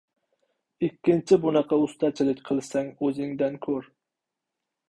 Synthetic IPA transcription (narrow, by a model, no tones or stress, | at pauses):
ikʲːint͡ʃʰibunəqɑust̪ʰɑt͡ʃʰilˠɪkʲqʰəlˠɨsɛŋøzɪŋd̪ɛnkʲʰøɾ